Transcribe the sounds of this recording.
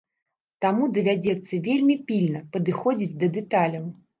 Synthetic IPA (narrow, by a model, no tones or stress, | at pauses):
t̪amud̪ɐvʲad͡zʲɛt̪sːɐvʲelʲmʲipʲilʲnɐpɐd̪ɨxɔd͡zʲid͡zʲd̪ɐd̪ɛt̪alʲɐw